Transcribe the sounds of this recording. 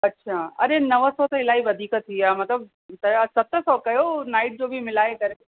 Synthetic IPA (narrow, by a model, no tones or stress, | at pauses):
ɐtːʃʰaːɐ̰ɾenɐʋəsɔt̪ɐɪlaːiʋɐd̪ʱiːkat̪ʰːiaːmɐt̪ləb̚ | t̪ɐsɐt̪ɾəsɔːkɐjonaːɪʈ̚d͡ʑoːbʱimɪlaːekɐɾ